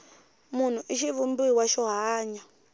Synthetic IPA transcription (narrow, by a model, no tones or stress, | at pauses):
mun̤uʔiʃiβumbiwaʃɔɦaːɲa